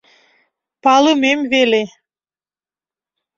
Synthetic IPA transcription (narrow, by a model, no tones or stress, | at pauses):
pɑlɯmemvele